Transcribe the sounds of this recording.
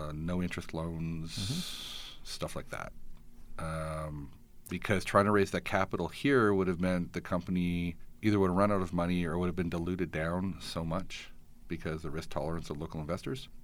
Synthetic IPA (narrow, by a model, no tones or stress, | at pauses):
noʊɪ̃nt͡ʃɹ̥ɨstˡlõʊ̃nz̥ | stʌflaɪk̚ðæ̰t̚ʔʌ̃m | b̥ɨkʰʌz̥tʰɹ̥aɪɪ̃ŋtʰəɹeɪzðɨt̚kʰæpəɾl̩ˠhiɹwʊɾɨvmɛ̃nðɨkʰʌ̃mpəniiðə˞wʊɾɹʌ̃ñaʊɾʌvmʌñiə˞wʊɾɨvbɨ̃ndəlʉɾɨdãʊ̃nsoʊmʌt͡ʃ | b̥ɨkʰʌzðɨɹɪsk̚tʰɑ̰lˠə˞ɨ̃nsʌvloʊkl̩ˠə̃nvɛstə˞z̥